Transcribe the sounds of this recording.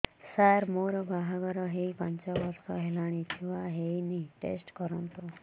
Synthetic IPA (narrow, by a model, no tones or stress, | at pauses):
saɾmoɾbʱaɦaɡəɾɔɦepaɲt͡ɕaʋəɾsɔɦelaɽ̃it̪ʰĩʋaɦeniʈḛsʈkəɾə̃nt̪o